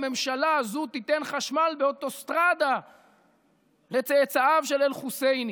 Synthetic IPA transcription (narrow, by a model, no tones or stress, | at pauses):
me̞mʃalazut̪it̪enχaʃmalbeot̪o̞st̪ʁad̪a | le̞t͡seːt͡saavʃelelχusejni